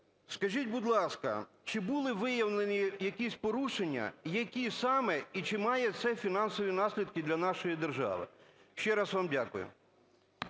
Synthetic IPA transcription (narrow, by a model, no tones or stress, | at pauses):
skɐʒitʲbud̪lˠɑskɐ̰ | t͡ʃɪbulˠɪʋɪjɐwnenʲijɐkʲisʲpɔɾuʃenʲːɐ̰jɐkʲisɑmɛit͡ʃɪmɑjɛt̪sɛfʲinɑnsɔʋʲinɑsʲlʲid̪kɪd̪lʲɐnɑʃɔjid̪erʒɑ̰ʋɪ̰ | ʃt͡ʃɛɾɑsʋɑmdʲakʊ̰jʊ̰